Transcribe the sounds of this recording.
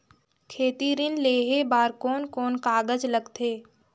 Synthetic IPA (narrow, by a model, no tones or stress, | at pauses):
kʰeːt̪iɾɪnleːɦebaːɾkoːnkoːnkaːɡəd͡ʒləɡt̪ʰeː